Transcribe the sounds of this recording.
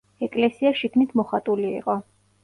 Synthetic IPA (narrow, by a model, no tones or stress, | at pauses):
ɛkʼlɛsiaʃikʰmnit̪ʰmɔχat̪ʼulḭːqʼɔ